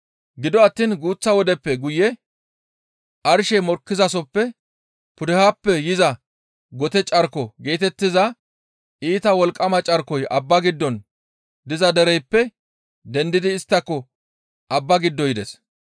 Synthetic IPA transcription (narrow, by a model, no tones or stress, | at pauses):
ɡɪd̪ɔɐt̪ːiːnɡuːt͡sːɐwɔd̪ɛpːɛɡʊjːɛ | ʔɐɾʃɛmɔɾkːɪzɐsɔpːɛ | pʊd̪ɛhapːɛjɪzɐ | ɡɔt̪ɛt͡ʃʼɐɾkɔɡe̞ːt̪ɛt̪ːɪzɐ | ʔiːt̪ɐwɔlkʼːɐmɐt͡ʃʼɐɾkɔjʔɐbːɐɡɪd̪ːɔn | d̪ɪzɐd̪ɛɾɛjpːɛ | d̪ɛnd̪ɪd̪ɪːst̪ːɐkːɔ | ʔɐbːɐɡɪd̪ːɔjɪd̪ɛs